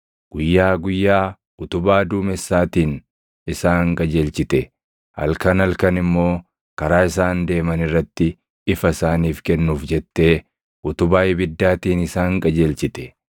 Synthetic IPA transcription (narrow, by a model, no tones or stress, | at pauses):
ɡ̥ʊjːaːɡʊjːaː | ʔʊt̪ʊbaːd̪uːmɛsːaːt̪iːn | ɪsaːŋkʼɐd͡ʒeːlt͡ʃɪt̪ɛ | hɐ̰lkɐnɐlkɐnɪmːo̞ː | kɐɾaːɪsaːnd̪e̞ːmɐnɪrːɐt̪ːɪ | ɪfɐɪsaːniːfkɛnːuːfd͡ʒɛt̪ːe̞ː | ʔʊt̪ʊbaːjɪbɪd̪ːaːt̪iːnɪsaːŋkʼɐd͡ʒeːlt͡ʃɪt̪ɛ̥